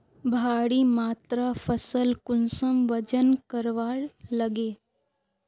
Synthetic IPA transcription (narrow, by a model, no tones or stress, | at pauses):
bʱaːɽiːmaːt̪ɾafʰəsəlkʊnsəmʋəd͡ʒənkəɾʋaːɽləɡeː